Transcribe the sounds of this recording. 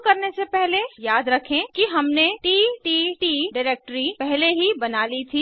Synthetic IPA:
kɐɾnesepɛɦlejaːd̪ɾɐkʰẽkiɦɐmneʈiːʈiːʈiːɖɪɾeːk̚ʈɾipɛɦleɦibɐnaːlit̪ʰi

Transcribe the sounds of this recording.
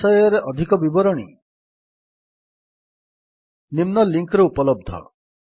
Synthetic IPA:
ɔjɔɾeʔɔd̪ʱikɔbibɔɾɔɽ̃ḭ | nimnɔliŋkɾɔupɔlɔb̚d̪ʱɔ̰

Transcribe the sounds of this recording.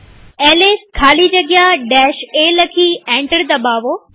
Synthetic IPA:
ɛːleːskʰaːlid͡ʑɐɡjaɖɛːʃeːlɐkʰiːɛ̃ːɳʈəɽd̪ɐbaːʋoː

